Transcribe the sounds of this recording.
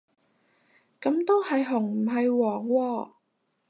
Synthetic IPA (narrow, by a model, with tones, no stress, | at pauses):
kɐ˨˥mt̪o˥whɐ˨jɦʊ˨˩ŋm̩˨˩ɦɐ˨jwɔː˨˩ŋwɔː˧